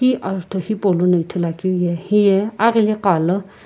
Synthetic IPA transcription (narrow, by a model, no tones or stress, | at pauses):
iʔalt̪ʰohipʼolunəitʰəlakijɛhijɛaɣiliqalə